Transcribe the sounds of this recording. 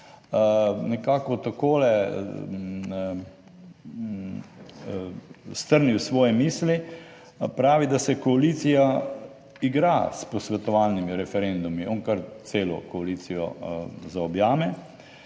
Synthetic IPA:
nɛkaːkɔt̪akoːlɛ | st̪əɾniwsʋɔːjɛmiːsli | pɾaːʋid̪asɛkɔaliːt̪sija | iɡɾaspɔsʋɛt̪ɔʋaːlnimiɾɛfɛɾend̪umiʔɔŋkəɾt̪seːlɔ̰kɔaliːsijɔ̰zaɔbjaːmɛ

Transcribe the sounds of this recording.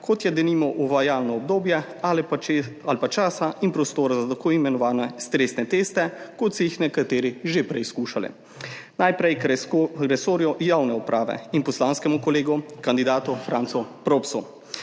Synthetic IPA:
kʰot̪jɛd̪ɛniːmɔʔuʋajaːlnɔɔb̚d̪oːbjɛ | alalpat͡ʃaːsainpɾɔst̪oːɾazat̪akoimɛnɔʋaːnɛst̪ɾest̪nɛt̪eːst̪ɛkot̪sɔjixnɛkat̪eːɾiʒepɾɛjskuːʃalḭ | najpɾɛjkɾɛsoːɾjɔjawnɛɔpɾaːʋɛ̰inpɔslaːnskɛmukɔleːɡukand̪id̪aːt̪ufɾaːnt̪sɔpɾoːpsu

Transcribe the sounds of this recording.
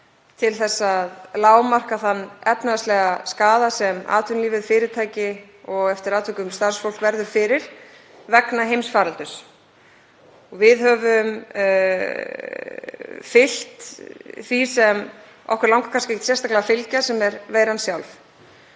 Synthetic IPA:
t̪ʰɪlθɛsːaðlaːwmar̥kaθanːɛpnaast̪lɛɣaskaːðasɛma̰ːt̪ʰʏnliːvɪðfɪːɾɪt̪ʰaːjcɪ | ɔɣɛft̪ɪɾaːt̪ʰvʏkʏmst̪aɾ̥sfowl̥kvɛɾðʏɾ̥fɪːɾɪɾ̥ | vɛknaɦejmsfaːɾalt̪ʏs | ɔɣvɪðɦœːvʏm | fɪl̥t̪θisɛm | ɔ̰hkɛɾlawŋkḁkʰanskcɪect̪sjɛrst̪aklɛðafɪlcasɛmɛɾveːjɾansjawlf

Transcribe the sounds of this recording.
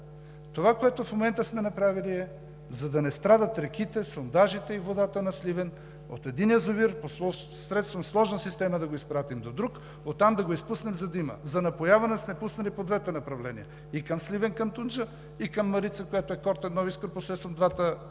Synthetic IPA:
t̪ovakoɛt̪ofmomɛnt̪əsmɛnɐpɾaviliɛ | zɐd̪ɐnɛst̪ɾad̪ət̪ɾɛkit̪ɛsond̪aʒit̪ɛivod̪at̪ənɐslivɛn | o̰t̪ɛd̪injəzoviɾposˠɔ | sɾɛt̪st̪vɐmslˠɔʒnəsist̪ɛmɐd̪ɐɡoispɾat̪imd̪od̪ɾuk | ot̪ːamd̪ɐɡoispusnɛmzɐd̪imə̰zɐnɐpojavɐnɛsmɛpusnɐlipod̪vɛt̪ɛnɐpɾɐvlɛnḭə | ikɐmslivɛnkɐmt̪und͡ʒə | ikɐmːɐɾit̪səkojat̪oɛkɔɾt̪ɛd̪nɔviskəɾposɾɛt̪t̪vɐmd̪vat̪ə

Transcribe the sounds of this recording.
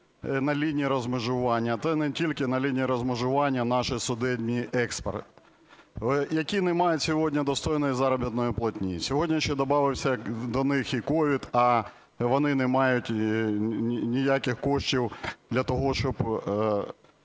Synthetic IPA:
nɐlʲinʲijiɾɔzmɪʒʊʋɑnʲːɐt̪sɛnɛtʲilʲkɪnɐlʲinʲiiɾɔzmɪʒʊʋɑnʲːɐnɑʃɪsʊd̪ɛdʲnʲiʔɛkspḛrt̪ | jɐkʲinɛmɑjʊsʲɔɦɔdʲnʲɐd̪ɔst̪ɔjnɔjizɑɾɐbʲit̪nɔjʊplˠɐtʲnʲḭsʲɔɦɔdʲnʲɐʃɛd̪ɔbɑʋɪwsʲɐd̪ɔnɪxikɔʋʲid̪ɐ | ʋɔnɪnɛmɑjʊtʲ | nʲijakɪxkɔʃt͡ʃʲiwd̪lʲɐt̪ɔɦɔʃt͡ʃɔb

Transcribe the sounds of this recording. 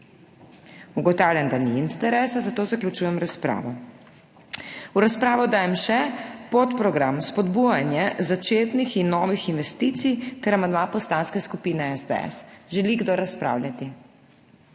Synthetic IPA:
uɡɔt̪aːwljand̪aniːnt̪ɛɾɛːsazat̪oːzaklʲut͡ʃuːjɛmɾaspɾa̰ːʋɔ | uɾaspɾaːʋɔd̪aːjɛmʃɛpot̪pɾɔɡɾamspɔd̪bujanjɛzat͡ʃeːt̪nixinːɔːʋixinʋɛst̪iːt̪sijt̪ɛɾamand̪mapɔst̪aːnskɛskupinɛɛzd̪ɛ̰ɛ̰sʒɛliɡd̪oɾaspɾa̰ːwlʲjat̪i

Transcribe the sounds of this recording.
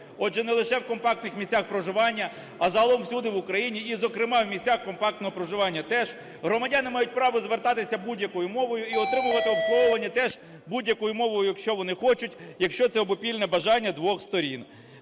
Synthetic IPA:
ɔdʒɛnɛlˠɪʃɛwkɔmpɑk̚t̪nɪxmʲisʲaxpɾɔʒɪʋɑnʲːɐ | ɐzɐɦɐlˠɔmwsʲud̪ɪʋʊkɾɐjinʲiizɔkɾɪmɑwmʲisʲaxkɔmpɑkt̪ɔɦɔpɾɔʒɪʋɑnʲːɐt̪ɛʒ | ɦɾɔmɐdʲanɪmɑjʊtʲpɾɑʋɔzʋert̪ɑt̪ɪsʲɐbudʲjɐkɔjʊmɔʋɔjʊiɔt̪ɾɪmʊʋɐt̪ɪɔbslˠɔɔʋɐnʲːit̪ɛʒ̥ | budʲjɐkɔjʊmɔʋɔjʊjɐkʃt͡ʃɔʋɔnɪxɔt͡ʃʊtʲjɐkʃt͡ʃɔt̪sɛɔbɔpʲilʲnɛbɐʒɑnʲːɐd̪ʋɔxst̪ɔɾʲḭn

